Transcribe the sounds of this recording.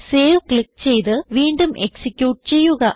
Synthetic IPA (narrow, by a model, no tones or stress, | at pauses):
se̞ːʋkɭik̚ːt͡ɕe̞jt̪ɨʋiːɳɖumʔe̞̰ksikʲːjuːʈɨt͡ɕe̞jːuɣɐ